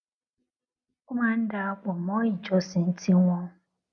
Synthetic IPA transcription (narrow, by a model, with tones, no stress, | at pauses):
kʊ˦ma˦n̩˦da˨a˦kʷɔ˨mɔ˦i˨d͡ʒɔ˦sɪ˨n̩˦tʰi˦ŋʷɔ˦